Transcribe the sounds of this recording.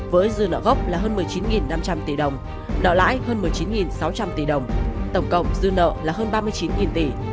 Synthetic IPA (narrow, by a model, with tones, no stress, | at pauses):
vəː˨˦jzɨ˧ənə̰ː˧˨ɣə˦˥wk͡p̚laː˨˩ɦəː˧nmɨ˨˩əjt͡ɕi˨˦nŋi˨˩nːa˧mt͡ɕa˧mt̪i˧˩ɗə˨˩wŋ͡m | ɗə̰ː˧˨la̰ː˧˥jhəː˧nmɨ˨˩əjt͡ɕi˨˦nŋi˨˩nsa˨˦wt͡ɕa˧mt̪i˧˩ɗə˨˩wŋ͡mt̪ə˧˩wŋ͡mkə̰˧˨wŋ͡mzɨ˧nə̰ː˧˨laː˨˩ɦəː˧nɓaː˧mɨ˧ət͡ɕi˨˦nŋi˨˩nt̪i˧˩